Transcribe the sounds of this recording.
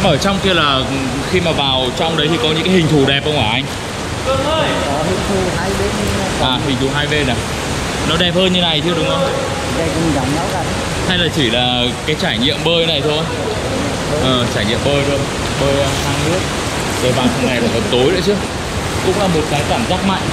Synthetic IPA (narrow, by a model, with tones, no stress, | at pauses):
ʔəː˧˩t͡ɕɔ˧wŋ͡mki˧əlaː˨˩ | xi˧maː˨˩vaː˨˩wt͡ɕɔ˧wŋ͡mɗə˨˦jt̪ʰi˨˩kɔ˨˦ɲɨ̰˧˥ŋkaː˨˦hï˨˩ŋ̟t̪ʰu˨˧˩ɗɛ˨˩p̚hə˧wŋ͡mʔaː˧˩ʔa˧ŋ̟˧ | ə˧ɔ˨˦hḭ˧˩t̪ʰu˧˩˨a˧jɓe˦˥t̚i˧ʔaː˨˩ɦï˨˩ŋ̟t̪ʰu˨˩ɦaː˧jɓe˧na˨˩ | nɔ˨˦ɗɛ˨˩p̚həː˧nɲɨ˧na˨˩jt͡ɕt̪ʰɨ˧ə˧ɗʊ˨˦ŋ͡mʔə˨˦˨ | ɗjkɔ˧˦ɲi˨˩ŋza˨˦wŋ͡mɲa˧˦wkaː˧˩˨ | h̪ʰa˧jlaː˨˩t͡ɕi˧˩laː˨˩kaː˨˦jt͡ɕaː˧˩jɲḭ˧˨əmɓəː˧jna˨˩jt̪ʰo˧jw | ʔəː˨˩t͡ɕaː˧˩jɲḭ˧˨əmɓəː˧jɗɨ˧˩ək̚ | ɓəː˧jhaː˧ŋnɨ˦˥ək̚ | zəː˨˩jɓaː˨˩nsʰə˧˩na˨˩jlaː˨˩ʔə˨˩t̚t̪o˨˦jɗɨ̰ː˧˥˦t͡ɕɨ˨˦˥ə | kʊ̰˧˥ŋ͡mlaː˨˩mo˨˩t̚kaː˨˦jkaː˧˩mzaː˦˥k̚ma̰˧˨jŋ̟